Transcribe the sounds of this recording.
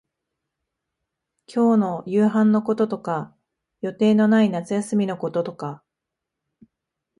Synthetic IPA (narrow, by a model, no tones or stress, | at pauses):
kʲʰo̞ːno̞jɯːɦãnːo̞ko̞t̪o̞t̪o̞ka | jo̞t̪e̞ːno̞nainat͡sɨjasɨmʲino̞ko̞t̪o̞t̪o̞ka